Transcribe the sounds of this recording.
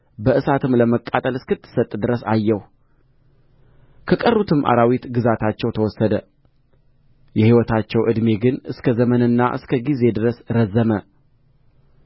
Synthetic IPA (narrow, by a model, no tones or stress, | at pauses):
bəʔɨsat̪ʰɨmləməkʼːat̪ʼəlɨskɨt̪ʰːɨ̥sət̪ʼd̪ɨɾəsajːɛh | kʰəkʼərːut̪ʰɨmʔa̰ɾawit̪ɡɨzat̪ʰat͡ʃːɛwt̪ʰəwɔsːəd̪ə | jɛhiwɔt̪ʰat͡ʃːɛwʔɨd̪me̞ɡɨnɨskʰəzəmənɨnːaʔɨ̰skʰəɡize̞d̪ɨɾəsɾəzːəmə